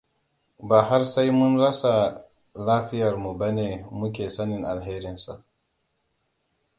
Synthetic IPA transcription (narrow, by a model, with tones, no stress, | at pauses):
baː˨ɦa˦ɾsa˦jmʊ˦nɽɐ˦sa˨ | laː˦ɸɪ˦jɐ˨ɾmu˨ba˦neː˨mu˦k̬ʲeː˨sa˦nɪ˨ŋʔa˨lɦe˦ɾɪ˦nsa˨ʔ